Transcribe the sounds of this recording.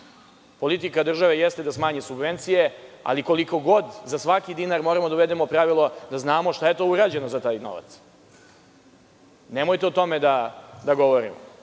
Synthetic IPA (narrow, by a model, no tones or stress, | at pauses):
po̞lit̪ikad̪r̩ʒaʋe̞jest̪ed̪asmaːɲesubʋe̞nt̪sijea̰liko̞liko̞ɡo̞d̪zasʋakid̪inaɾmo̞ːɾamod̪auʋed̪emopɾaʋilˠo̞d̪aznaːmoʃt̪aje̞t̪o̞uɾaːd͡ʑe̞nozat̪aːjno̰ʋa̰t̪s | ne̞mojt̪eot̪o̞med̪ad̪aɡo̞ʋo̞ɾḭmo̰